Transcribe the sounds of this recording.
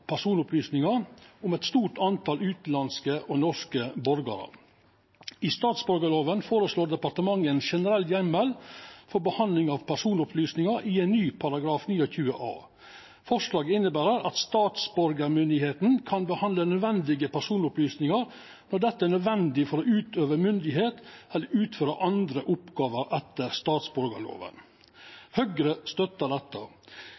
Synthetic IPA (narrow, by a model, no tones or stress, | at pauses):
pʰæʂuːnʊplyːsnɪŋɑɾʊmɛt̪st̪uːʈɑnt̪ʰɑlʉːt̪lɑnskəʔɔnɔʂkəbɔɾɡɑ̰ɾə̰ | ist̪ɑːt̪sbɔɾɡəloːʋənfoːɾəsloːɖ̪ɛpɑʈəmɑŋːɛnʃɛnəɾɛlːjɛmːɛlfɔɾbəhɑnlɪŋɑʋpʰæʂuːnʊpʰlyːsnɪŋɑɾʔiɛɪnːyːpʰɑɾɑɡɾɑːfnyːɔçʉːə̰ʔɑ̰ː | fɔʂlɑːɡəɪnːəbæːɾəɾɑt̪st̪ɑːt̪sbɔɾɡəɾmʏnd̪ɪheːt̪n̩kʰɑnbəhɑnd̪lənœd̪ʋɛnd̪ɪɡəpæʂuːnʊplyːsnɪŋɑɾ | nɔɖ̪ɛt̪ːəænœd̪ʋɛnd̪ɪfɔɾoːʔʉːt̪øːʋəmʏnd̪ɪɦeːt̪ɛlːəʉːt̪føːɾəʔɑnd̪ɾəʔʊpɡɑːʋəɾʔɛt̪ːəɾst̪ɑːt̪sbɔɾɡə̰lo̰ːʋə̰n | hœɡɾəst̪œt̪ːəd̪ɛt̪ːə